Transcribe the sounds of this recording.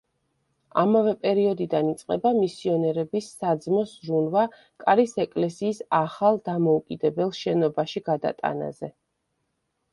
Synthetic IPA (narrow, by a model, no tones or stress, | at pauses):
a̰mavɛpʼɛɾiɔd̪id̪anit̪sʼqʼɛbamisiɔnɛɾɛbisːad̪zmɔsɾunva | kʼaɾisɛkʼlɛsiːsaχalˠd̪amɔukʼid̪ɛbɛlˠʃɛnɔbaʃiɡad̪a̰t̪ʼa̰na̰zɛ